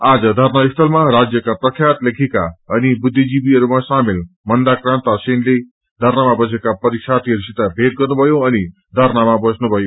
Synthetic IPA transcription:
ad͡zʌd̪ʱʌrnabist̪ʌlmaɾad͡zjʌkaprʌkʰjat̪lekʰikaʌnibud̪ʱːid͡zibiʌɾumasamel | mʌnd̪akrãnt̪asenle | d̪ʱʌɾnamabʌs̬ekapʌɾisat̪ʰiɦʌɾusit̪abʱet̪̚ɡʌrnubʱʌjoʌni | d̪ʱʌɾnamabʌsnubʱʌjo

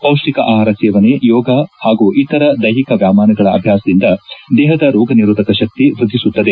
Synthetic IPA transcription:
pɐwʂʈikɐʔaːɦaːɾɐsɛːʋɐnejɔːɡɐhaːɡuʔit̪ɐɾɐd̪ɐjɦikɐʋjaːmaːnɐɡɐɭɐɐbʱjaːsɐd̪ind̪ɐd̪ɛːɦɐd̪ɐɾɔːɡɐniɾuːd̪ʱɐkɐʃɐk̚t̪iʋɾud̪ʱːisut̪ːɐd̪e

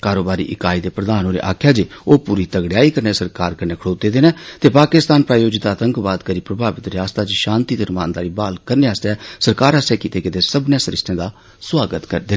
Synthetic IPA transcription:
kaːɾoːbaːɾḭːʔɪkaːiːd̪eːpɾəd̪aːnoːɾḛːʔa̰ːkʰjaːd͡ʒeːoːpuːɾiːt̪əɡɽjaːiːkəɾneːsəɾkaːɾkəɾneːkʰɽoːt̪eːd̪eːnẽːt̪eːpaːkɪst̪aːnpɾaːjoːd͡ʒɪt̪aːt̪əŋkbaːd̪kəɾiːpɾəbʱaːʋɪt̪ɾɪjaːst̪aːd͡ʒʃãːnt̪iːd̪əɾmaːnd̪aːɾiːbaːlkəɾneːaːst̪eɛːsəɾkaːɾəːsɛːkiːt̪eːkɪt̪eːsəbnãsəɾɪ̰sʈʰẽːd̪aː | swaːɡət̪kəɾd̪eː

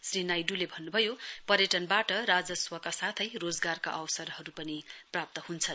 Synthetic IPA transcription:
srinajɖulebʱʌnːubʱʌjopʌɾjʌʈʌnbaʈʌɾad͡zʌswʌkasat̪ʰʌjrod͡zɡarka̰ʔʌwsʌrɦʌɾupʌniprap̚t̪ʌhunt͡sʰʌ

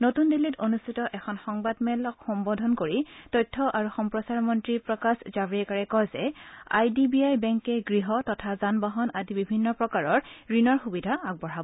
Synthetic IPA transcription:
notundilːitonustʰitɔʔɛkʰɔnxɔŋbadmɛlɔkxɔmbɔdʱɔnkoɹitɔjtʰːɔʔaɹuxɔmpɹɔsaɹmɔntɹipɹɔkaszabɹiɛkaɹɛkɔjzɛa̰jdibiajbɛŋkɛɡɹiɦɔtɔtʰazanbaɦɔnadibibʱinːɔpɹɔkaɹɔɹɹinɔɹxubidʱaaɡ̚bɔɹabɔ

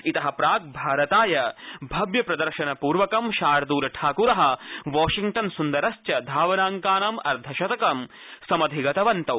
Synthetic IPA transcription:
it̪ɐɦɐpɾaːɡ̚bʱaːɾɐt̪aːjɐbʱɐbjɐpɾɐd̪ɐɾʃɐnɐpuːɾʋɐkɐmʃaːɾɐd̪uːɾɐʈʰaːkuːɾɐɦɐ̆ʋɔːʃiŋʈɐnsund̪ɐɾɐst͡ʃɐd̪ʱaːʋɐnaːŋkaːnɐmɐ̰ɾd̪ʱɐʃɐt̪ɐkɐm | sɐmɐd̪ʱiɡɐt̪ɐʋɐnt̪ɐw

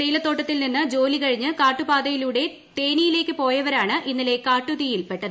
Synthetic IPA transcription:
ɐjilɐt̪ːo̞ːʈːɐt̪ːilninːɨd͡ʑo̞ːlikɐɻiɲːɨkaːʈːubaːd̪ɐjiluːɽe̞ | t̪e̞ːnijile̞ːkːɨpo̞ːjɐʋɐɾaːɳɨʔinːile̞kaːʈːuðijilpe̞ʈːɐðɨ

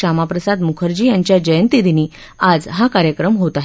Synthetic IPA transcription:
amapɾəsad̪mukʰəɾd͡ʑiːjaɲt͡ɕjad͡ʑəjənt̪id̪iniː | ad͡zɦakaɾjəkɾəmɦot̪aɦ

